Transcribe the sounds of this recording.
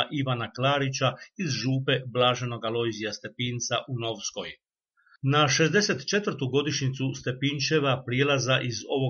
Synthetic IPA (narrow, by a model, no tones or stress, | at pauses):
ʔiʋanaklaːɾit͡ɕaizʒuːpe̞blˠaːʒe̞no̞ɡalˠojzijast̪e̞piːnt̪saʔuno̞ʋsko̞j | naʃe̞zd̪e̞se̞t̪t͡ʃe̞t̪ʋr̩t̪uɡo̞d̪iʃɲit̪sust̪e̞pint͡ʃe̞ʋapɾijeːlˠazaʔizo̞ʋo